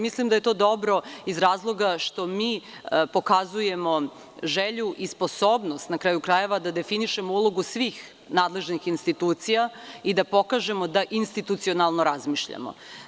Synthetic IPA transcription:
mislimd̪ajet̪o̞ːd̪o̞bɾo̞izɾaːzlˠo̞ɡaʃt̪o̞miːpo̞kazuje̞mo̞ | ʒeʎuʔisposoːbnost̪nakɾaːjukɾaje̞ʋad̪ad̪e̞finiʃe̞mo̞uloɡusʋiːx | naːd̪le̞ʒnixinst̪it̪uːt̪sijaid̪apo̞kaʒe̞mo̞d̪aʔinst̪it̪ut̪sio̞nalˠnoɾazmiːʃʎa̰mo̰

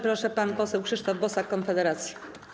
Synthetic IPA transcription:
pɾɔʂɛpanpɔsɛwxʂɘʂt̪ɔvbɔsakːɔnfɛd̪ɛɾat̪sʲji

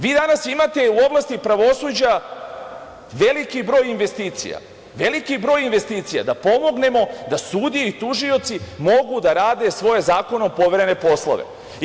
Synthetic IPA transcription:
ʋiːd̪anasimat̪e̞uo̞blˠast̪ipɾaʋo̞suːd͡ʑa | ʋe̞likibɾo̞ːjinʋe̞st̪iːt̪sḭja̰ | ʋe̞likibɾo̞ːjinʋe̞st̪iːt̪sija̰d̪apo̞mo̞ɡne̞mo̞d̪asuːd̪ieit̪uʒio̞t̪simo̞ɡud̪aɾaːd̪e̞sʋo̞jezaːko̞neopo̞ʋeɾene̞po̞slˠo̰ʋḛ

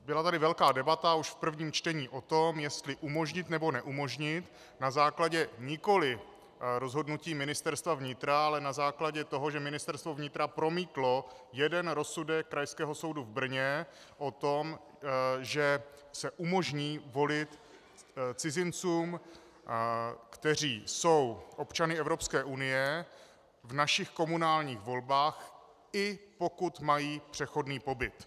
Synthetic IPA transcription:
bɪlat̪adɪvɛlkaːdɛbat̪auʃfpr̩vɲiːmt͡ʃt̪ɛɲiːʔo̞t̪o̞mjɛst̪lɪʔumo̞ʒɲɪt̪nɛbo̞nɛʔumo̞ʒɲɪt̪ | nazaːklaɟɛɲɪko̞lɪ | ɾozɦo̞dnuciːmɪnɪst̪ɛɾst̪vavɲɪt̪ɾaalɛnazaːklaɟɛt̪o̞ɦo̞ʒɛmɪnɪst̪ɛɾst̪vo̞vɲɪt̪ɾapɾo̞miːt̪lo̞ | jɛdɛnɾo̞sudɛkːɾajskɛːɦo̞so̞wduvbr̩ɲɛ | ʔo̞t̪o̞m | ʒɛ | sɛʔumo̞ʒɲiːvo̞lɪt̪ | t͡sɪzɪnt͡suːm | kt̪ɛr̝iːso̞wʔo̞pt͡ʃanɪɛvɾo̞pskɛːʔunɪjɛ | vnaʃɪxko̞munaːlɲiːxvo̞lbaːx | ɪpo̞kut̪majiːpr̥ɛxo̞dniːpo̞bɪt̪

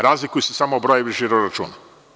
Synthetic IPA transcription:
ɾaːzlikujusesamoːbɾojeʋiʒiɾoɾat͡ʃṵːna

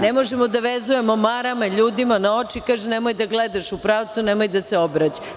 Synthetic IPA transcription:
nemoʒemod̪aʋezuje̞momaɾamaiʎuːd̪imanao̞t͡ʃikaːʒɛnemo̞jd̪aɡled̪aʃupɾaːʋt̪sunemojd̪aseo̞bɾat͡ɕa

